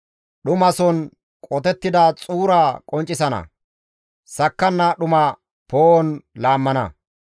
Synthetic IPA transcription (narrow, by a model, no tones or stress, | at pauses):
ɗʊmɐsɔn | kʼɔt̪ɛt̪ːɪd̪ɐt͡sʼuːɾakʼɔnt͡ʃʼːɪsɐnɐ̰ | sɐkːɐnːɐɗʊmɐ | poːɔnlaːmːɐnɐ̰